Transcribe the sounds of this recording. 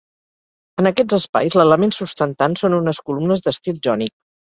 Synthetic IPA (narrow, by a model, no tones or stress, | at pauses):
ənəkɛd͡zəspa̰jzlələmensust̪ənt̪ansonunəskulumnəzðəst̪it̪ʒɔnik̚